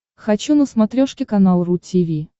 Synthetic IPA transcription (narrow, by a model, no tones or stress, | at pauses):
xɐt͡ɕunəsmɐt̪ɾʲoʂkʲɪkɐnalˠrutʲivʲi